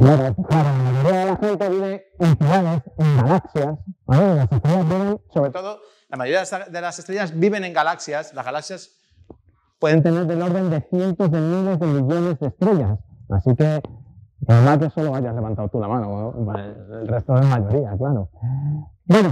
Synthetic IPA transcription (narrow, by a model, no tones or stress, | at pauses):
klaɾoklaɾolamaʝo̞ɾiað̞e̞laxe̞nt̪e̞β̞iβ̞e̞enfuɣaðe̞seŋɡalaksjasanolasest̪ɾeʝazβiβ̞e̞nsoβɾet̪oðo | lamajoɾiaðelasest̪ɾeʝazbiβe̞ne̞ŋɡalaksjaslazɣalaksjas | pwe̞ðe̞nt̪e̞ne̞ɾðe̞lo̞ɾðe̞nd̪e̞θje̞nt̪o̞zðe̞mile̞zðe̞miʝo̞ne̞zðest̪ɾe̞ʝasa̰sike̞nomazʝaso̞lo̞aʝazle̞βãnt̪awt̪ulamãnopaelre̞st̪oðemaʝo̞ɾiaklaɾo̞ | bwe̞no